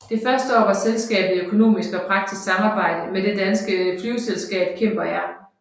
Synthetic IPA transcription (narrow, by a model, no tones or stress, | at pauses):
d̥e̝fɶɐsd̥əɒ̰ːʋɑ̈selsɡ̥ɛ̰ːb̥əð̩ˠiøkʰo̝no̝̰ːmisɡ̥ɒ̽pʰʁɑ̈ɡ̥̚d̥isɡ̥sɑ̈mɑ̈ːb̥ɑ̈ɪ̰d̥əmed̥e̝d̥ænsɡ̥əflyʊselsɡ̥ɛ̰ːb̥̚kʰem̰b̥ɐjɑ̈